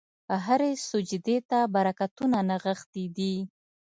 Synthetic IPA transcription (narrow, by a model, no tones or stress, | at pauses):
əɦaɾesʊd͡ʒɪd̪et̪abaɾakat̪unanaɣəxt̪id̪i